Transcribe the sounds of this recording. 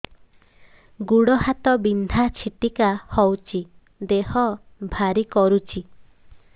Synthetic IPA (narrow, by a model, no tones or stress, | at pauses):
ɡuɽɔɦhat̪ɔbind̪ʱat͡ʃʰiʈikahɔwt͡ʃʰi | d̪ehɔ | bʱaɾikɔɾut͡ʃʰi